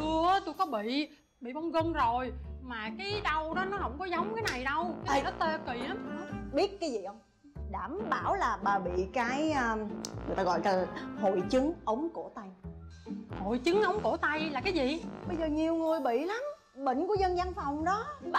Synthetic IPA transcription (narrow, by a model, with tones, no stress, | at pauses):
ɨ˧ət̪o˧jkɔ˨˦ɓḭ˧˨ | ɓḭ˧˨mɔ˧wŋ͡mɣə˧nzo˨˩jmaː˨˩kaː˨˦jɗə˧wɗɔ˨˦nɔ˨˦hə̰˧˥wŋ͡mkɔ˨˦zə˨˦wŋ͡mkaː˨˦jna˨˩jɗə˧wkaː˦jzi˨˩ɗɔ˨˦t̪ə˧ki˨˩˨ʔaː˨˦m˧ɓi˦˥ət̚kaː˨˦jzi˨˩ʔə˧wŋ͡m | ɗaː˧˩mɓaː˧˩wlaː˨˩ɓaː˨˩ɓḭ˧˨kaː˨˦jəː˧ŋɨ˨˩ət̪aː˧ɣɔ̰˧˨jka˨˦˨ho̰˧˨jt͡ɕɨ˨˦ŋʔə˨˦wŋ͡mko˧˩t̪a˧j | ho˧˨jt͡ɕɨ˨˦ŋʔə˨˦wŋ͡mko˧˩t̪a˧jlaː˨˩kaː˨˦jzi˨ɓə˧jzəː˨˩ɲi˨˩əwŋɨ˨˩əjɓḭ˧˨la˨˦m | ɓḭ̈˧˨ŋ̟ku˧˩əzə˧nzaː˧nfa˨˩wŋ͡mɗɔ˨˦